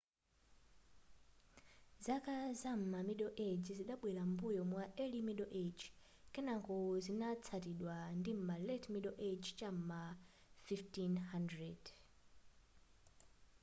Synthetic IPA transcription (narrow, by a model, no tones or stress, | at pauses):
zakazam̩mamiɗɔʔed͡ʒziɗaɓwɛɾambujɔmwaʔɛlimiɗɔʔed͡ʒ | kɛnaŋkɔzinat͡sʰatiɗwandim̩malɛtʰmiɗɔʔet͡ʃt͡ʃam̩mafiftinhandɹɛd